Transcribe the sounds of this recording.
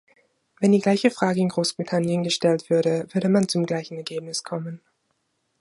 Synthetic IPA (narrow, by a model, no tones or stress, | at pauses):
vɛndiːɡlaɪçəfʁ̥aːɡəɪnɡʁoːsb̥ʁitʰanjənɡəʃtɛltv̥ʏɐɾəvʏɐɾəmant͡sʊmɡlaɪçn̩ɛɐɡeːpnɪskʰɔmən